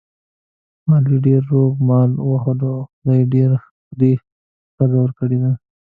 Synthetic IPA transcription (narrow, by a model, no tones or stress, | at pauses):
mɑliɖeɾːoɡmɑlwaxod̪oxʊd̪ɑjɖeɾ | xd̪e | xazawəɾkəɽed̪a